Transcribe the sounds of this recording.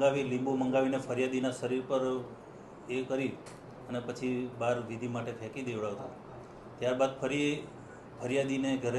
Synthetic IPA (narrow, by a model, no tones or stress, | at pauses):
ɡaʋilĩmbuməŋɡaʋinefʰəɾjad̪inaʃəɾiɾpəɾ | ekəɾi | ənepət͡ʃʰibaɾʋid̪ʱimaʈek̪ʰɛkid̪eʋɭaʋt̪a | t̪jaɾbad̪fʰəɾi | fʰəɾjad̪ineɡʱəɾ